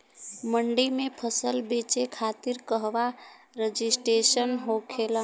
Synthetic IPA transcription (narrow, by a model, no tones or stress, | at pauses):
məɳɖimepʰəsəlbet͡ʃekʰat̪iɾkəɦʋa | ɾəd͡ʒisʈɾesənɦokʰelə̃